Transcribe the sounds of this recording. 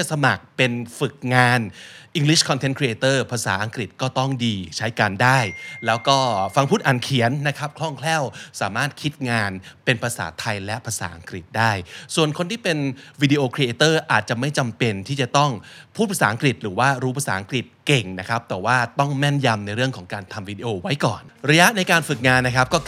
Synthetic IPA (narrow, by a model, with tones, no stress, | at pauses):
a˨sa˧ma˨˩k̚pe˧nfɯ˨˩k̚ŋaː˧nʔi˧ŋli˦˥˩kʰɔ˧nt̪ʰe˦˥nkʰɾi˧ʔeː˧t̪ɤː˥˩pʰa˧sa̰ː˩˦ʔa˧ŋkɾi˨˩t̪̚kɔː˥˩t̪ɔ˥˩ŋdiː˧t͡ɕʰa˦˥jkaː˧ndaː˥˩jlɛː˦˥wkɔː˥˩fa˧ŋpʰuː˥˩t̪ʔaː˨˩nkʰi˨˩˦ənːa˦˥kʰa˦˥p̚kʰlɔ˥˩ŋkʰlɛː˥˩wsaː˩˦maː˥˩t̪̚kʰi˦˥t̪̚ŋaː˧npe˧npʰa˧sa̰ː˩˦t̪ʰa˧jlɛ˦˥ʔpʰaː˧sa̰ː˩˦ʔa˧ŋkɾi˨˩t̪̚daː˥˩jsu˨˩ənkʰo˧nt̪iː˥˩pe˧nwiː˧di˧ʔoː˧kʰɾi˧ʔeː˧t̪ɤː˥˩ʔaː˨˩t̪̚t͡ɕa˨˩ma˥˩jt͡ɕa˧mpe˧nt̪ʰiː˥˩t͡ɕa˨˩t̪ɔ˥˩ŋpʰuː˥˩pʰa˧˩saː˩˦ʔŋkɾi˨˩t̪̚ɾɯː˩˦waː˥˩ɾuː˦˥pʰa˧saː˩˦ʔa˧ŋkɾi˨˩t̪̚ke˨˩ŋna˦˥kʰa˦˥p̚t̪ɛː˨˩waː˥˩t̪ɔ˥˩ŋmɛ˥˩nja˧mna˧jɾɯ˥˩əŋkʰɔː˩˦ŋkaː˧nt̪ʰa˧mwiː˧di˧ʔoː˧wa˦˥jkɔ̰ː˨˩nɾa˧ja˦˥ʔna˧jkaː˧nfɯ˨˩k̚ŋaː˧nːa˦˥kʰa˦˥p̚kɔː˥˩